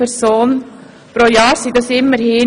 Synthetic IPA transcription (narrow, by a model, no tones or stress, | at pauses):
ɛɾsoːn | pɾojɑːɾsid̪ɑsɪmːəɾhɪː